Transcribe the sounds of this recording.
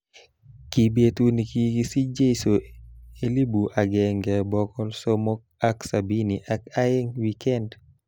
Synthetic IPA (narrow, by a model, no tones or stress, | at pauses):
kibetunikikisid͡ʒesoelibuʔaɡɛŋɡɛbɔkɔlsɔmɔk̚aksabiniʔakajɛŋwikɛnd